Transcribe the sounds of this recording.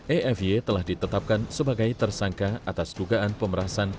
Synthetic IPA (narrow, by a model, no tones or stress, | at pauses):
ʔeɛfet̪əlahdit̪ət̪ap̚kansəbaɡajt̪ərsaŋkaat̪asduɡaanpəməɾasan